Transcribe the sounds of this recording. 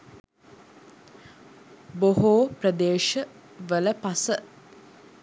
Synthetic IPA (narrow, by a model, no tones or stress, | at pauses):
boɦoːprəd̪eːʃə | ʋələpasə